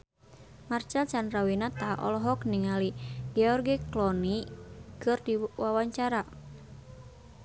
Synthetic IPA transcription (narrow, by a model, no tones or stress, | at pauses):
mart͡ʃalt͡ʃandɾawinat̪aʔɔ̰lɔɦɔkniŋaliɡɛɔrɡiklɔnikɨrdiwawaɲt͡ʃaɾa